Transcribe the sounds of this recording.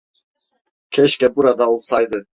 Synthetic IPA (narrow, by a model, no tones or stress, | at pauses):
kʰɛʃkʼɛbuɾad̪aulsajd̪ɨ